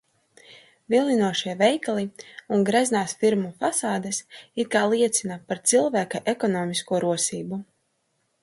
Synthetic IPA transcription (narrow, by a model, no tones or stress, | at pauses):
vilˠinuɔʃiɛvɛjklˠiunɡɾɛznaːsfiɾmufasaːd̪esit̪̚kaːlˠiɛt̪sʲinapaɾt̪silˠvæːkaʔekɔnɔːmiskuɔɾuɔsiːbu